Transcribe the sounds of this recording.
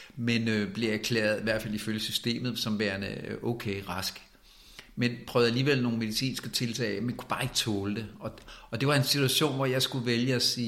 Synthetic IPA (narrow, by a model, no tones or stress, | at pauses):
menøb̥le̝æɐkʰlḛːɐð̩ˠiʋæɐ̰d̥fæliføljəsysd̥e̝̰ːmð̞̩ˠsɒ̽mʋæɐnəʔɔkʰeːʁɑ̈sɡ̥ | menpʰʁœːʊð̩ˠæliːʋel̰no̝ːnme̝ðˠisḭːnsɡ̥ət͡sʰe̝lt͡sʰɛ̰ɪmenkʰu̥b̥ɑ̈ːe̝ɡ̥ət͡sʰɔːləd̥e̝ɒ̽ɒ̽d̥e̝ʋɑ̈e̝nsit͡sʰuæɕo̝̰ːnʋɒjɑ̈ɪsɡ̥uʋeljəɒsiː